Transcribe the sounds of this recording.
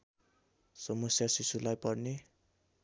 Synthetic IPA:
sʌmʌsjasisulajpʌrne

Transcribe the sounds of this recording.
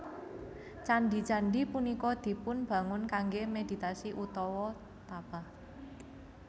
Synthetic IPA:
t͡ʃanɖit͡ʃanɖipunikɔd̪̥i̤pʊnb̥ä̤ŋʊnkaŋɡemed̪̥i̤t̪asiʔut̪ɔwɔ | t̪ab̥a̤

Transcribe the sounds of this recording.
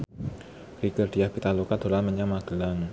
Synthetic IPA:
riɡərd̥iahb̥it̪alukad̪̥o̤lanməɲamaɡ̥əlaŋ

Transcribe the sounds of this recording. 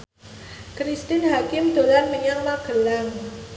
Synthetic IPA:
kɾist̪ɪnɦakɪmd̪olanməɲaŋmaɡ̥ə̤laŋ

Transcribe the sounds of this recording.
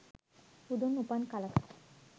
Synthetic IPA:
pud̪onupankalakʰḁ

